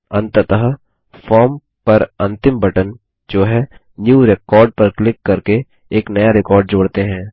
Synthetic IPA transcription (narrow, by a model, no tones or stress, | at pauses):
ɐ̃nt̪ət̪əɦə | fɔːɾm | pɐɾɐ̃nt̪ɪmbɐʈən | d͡ʒoːɦɛ | njuːɾekɔːɾɖ̚pɐɾklɪkːɐɾke | eːknɐjaɾɪkɔːɾɖ̚d͡ʒoːɽt̪eɦɛ̃ː